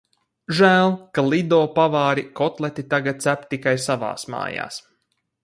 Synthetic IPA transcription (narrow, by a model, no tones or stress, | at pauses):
ʒæːlˠkalˠid̪ɔːpavaːɾikɔt̪lˠɛt̪it̪aɡat̪̚sæpt̪ikajsava̰ːsma̰ːja̰ːs